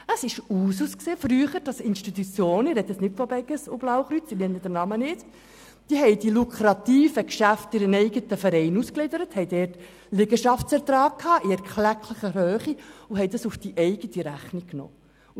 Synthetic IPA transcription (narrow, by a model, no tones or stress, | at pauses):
əsɪʃuːs̬uːskseːfɾyːəχəɾd̥ɑsɪnʃtit̪ut͡sjoːnɪrɾɛd̪ɛsnɪtfɔbɛɡəsʊblɑwχɾyt͡sɪnɛnːəd̥ənɑmənɪt͡s | d̥iəɦɛɪd̥ilukʰɾɑt̪iːfəkʃæftɪɾənɛɪɡət̪əfəɾɛɪnusklɪdəɾəthɛɪdɛːrt | lɪɡəʃɑftt͡sɛɾtɾɑːk̚kʰhɑːʔɪɛɾkʰlækʰləχəɦøːχiʊɦɛjdɑsufd̥iʔɛɪɡətiɾæχnikkːnɔ̰ː